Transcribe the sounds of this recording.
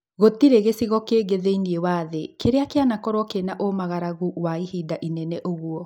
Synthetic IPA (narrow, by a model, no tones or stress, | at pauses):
ɣot̪iɾeɣesiɣɔkeɡeðeiniewaðekeɾeakeanakɔɾwɔkenaʔomaɣaɾaɣuwaihidaʔinɛnɛʔoɣuɔ